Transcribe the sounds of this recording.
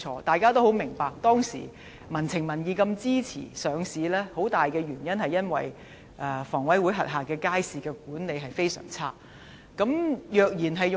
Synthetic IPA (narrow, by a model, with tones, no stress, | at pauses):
ɔ̰ː˧t̪aː˨jkaː˥t̪̬o˥who˨˥wmɪ˨˩ŋpaː˨k̚t̪ɔː˥ŋsḭː˨˩ | mɐ˨˩nt͡sʰɪ˨˩ŋmɐ˨˩njiː˨˧kɐ˧mt͡siː˥t͡sʰḭː˨˩sœː˨˧ŋsiː˨˧lɛː˥ho˨˥wt̪aː˨jkɛː˧ɥyː˨˩njɐ˥nhɐ˨˩jɐ˥nwɐ˨j | ʔɛ˨˧fɔː˨˩ŋwɐ˨˥jwuː˨˥jɦɐ˨t̚ɦaː˨kɛː˧kaː˥jsiː˨˩kɛː˧k̚uː˨˥nne˨˧jɦɐ˨jfe˥jsœ̰ː˨˩ŋt͡sʰaː˥ | kɐ˨˥mjœː˨k̚jiː˨˩nɦɐ˨jʊ˨